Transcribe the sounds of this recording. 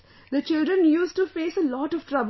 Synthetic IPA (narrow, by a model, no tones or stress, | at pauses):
d̪ət͡ʃɪlɖɾə̃njuːsʈufeːsəlɔːʈɔʋʈɾʌb